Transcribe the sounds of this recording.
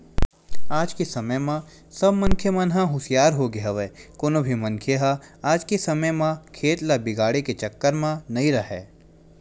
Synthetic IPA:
aːd͡ʒkesɐməjmã | sɐbmɐ̃nkʰjemə̃nɦãɦʊsɪjaːɾɦoɡeɦaʋekoːnobʱimɐ̃nkʰjeɦaaːd͡ʒkesɐməjmãkʰeːt̪labɪɡaːɽeket͡ʃɐkːəɾmãnɐĩɾɐɦɛ̰ː

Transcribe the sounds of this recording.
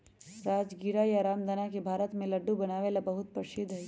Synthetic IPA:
ɾaːd͡ʒɡiɾajaɾaːmd̪ʱanakebʱaːɾət̪mẽlɐɖːubɐnaːʋelabɐɦʊt̪̚pəʃɪd̪ʱə

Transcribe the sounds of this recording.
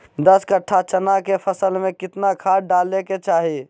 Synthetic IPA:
d̪əskəʈʰat͡ʃənakepʰəsəlmẽkɪt̪nakʰaɖaleket͡ʃaɦi

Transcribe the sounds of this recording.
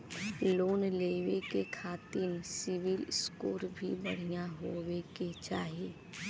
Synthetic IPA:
loːnleːʋekekʰaːt̪ɪɾsɪʋɪlskoːɾbʱibəɽ̤ijãɦoweket͡ʃaːɦieː

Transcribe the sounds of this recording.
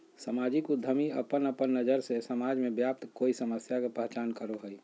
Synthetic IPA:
səmad͡ʒikud̪ʱːəmiə̰pənəpənːəd͡ʒəɾsesəmad͡ʒmẽbjap̚t̪koːisəməsjakepəɦt͡ʃaːnkəɾoɦəi

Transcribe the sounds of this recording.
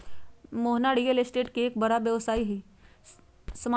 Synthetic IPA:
moɦnaɽijəlesʈeʈkiekbəɾabjəʋsaiɦi | səma

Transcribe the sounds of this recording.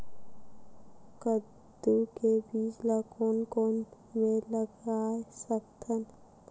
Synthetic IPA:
kə | d̪ukebiːd͡ʒlakoːnkoːn | mẽləɡaːesəkt̪ʰən

